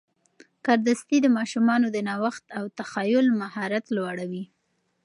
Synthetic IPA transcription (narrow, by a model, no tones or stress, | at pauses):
kɑɾd̪ast̪id̪əmɑʃumɑnod̪ənɑwaxt̪awt̪axɑjʊlmahɑɾat̪lwɑɽawi